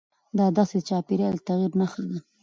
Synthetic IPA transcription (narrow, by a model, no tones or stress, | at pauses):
d̪ɑd̪ɑsed̪ət͡ʃɑpiɾɑlət̪aɣiɾnaxəɡ̪a